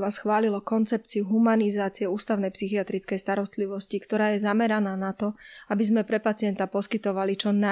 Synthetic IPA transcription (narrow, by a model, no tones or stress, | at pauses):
ʋaːsxʋaːlilɔkɔnt͡sɛp̚t͡siuɦumanizaːt͡siɛuːst̪aʊnɛjpsixiat̪ɾit͡skɛjst̪aɾɔst̪liʋɔscikt̪ɔɾaːjɛzamɛɾanaːnat̪ɔabizmɛpɾɛpat͡sɪɛnt̪apɔskit̪ɔʋalit͡ʃɔna